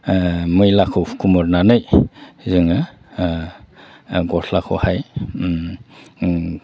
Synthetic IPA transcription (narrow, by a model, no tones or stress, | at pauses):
mɯjlakʰɯkʰumɔɾnanɯjzɯŋɯ | ɡɔsʰlakʰɔhaj